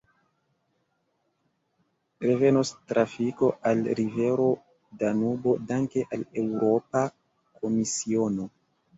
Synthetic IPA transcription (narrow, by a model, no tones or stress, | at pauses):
ɾe̞ve̞nostɾafiko̞ʔalɾive̞ɾo̞ | danubo̞daŋke̞ʔale̞wɾo̞pa | kʰo̞misio̞no̞